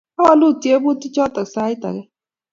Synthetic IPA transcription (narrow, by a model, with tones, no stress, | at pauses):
a˦wa˦lʊ˦˨ti˨e˦bʊ˦ti˦t͡ʃɔ˦ta˨sa˦ɪ˦ta̰˨ɡe˦